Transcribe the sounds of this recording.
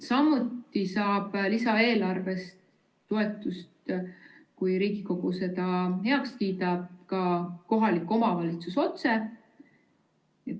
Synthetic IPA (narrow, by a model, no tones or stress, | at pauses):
sɑmːut̪ːˑisɑːb̥lisɑe̞ːlɑrve̞st̪ː | oe̞t̪ːˑust̪ | kujɾiːɡ̥iko̞ɡ̥use̞t̪ɑhe̞ɑkskiːt̪ɑb̚kɑko̞ɦɑlikːˑo̞mɑvɑlit̪suso̞t̪se̞ | e